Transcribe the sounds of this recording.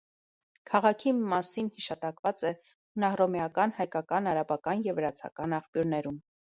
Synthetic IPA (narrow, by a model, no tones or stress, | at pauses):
kʰɑʁɑkʰimɑsinhiʃɑt̪ɑkvɑt͡sɛ | nɑhrɔmɛjɑkɑnhɑjkɑkɑnɑɾɑbɑkɑnjɛvəɾɑt͡sʰɑ̰kɑnɑχpjuɾnɛɾum